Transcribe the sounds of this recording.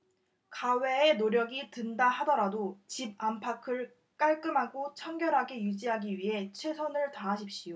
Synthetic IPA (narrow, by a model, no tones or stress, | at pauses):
kawe̞ːnoɾjʌɡitɯndaɦadʌɾadot͡ɕib̚ampʰakʰɯɭ | k͈aɭk͈ɯmɦaɡot͡ɕʰaŋɡjʌɾɦaɡe̞jud͡ʑiɦaɡiɥiɦe̞t͡ɕʰwe̞sʰʌnɯɭtaɦaɕ̬ʰip̚ɕ͈ijo